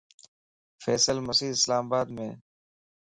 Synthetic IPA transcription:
fɛːsəlməsiːd̪ɪslaːmabaːd̪mẽː

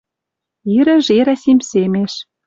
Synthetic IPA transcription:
iɾɘ̆ʒeɾæsimʲsemeʃ

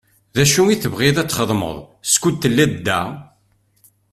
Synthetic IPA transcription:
ðæʃuiθəvʁiðæt͡sːχəðˤmə̰ðˤ | skʷut̪ːəlːæd̪d̪ːæ̰

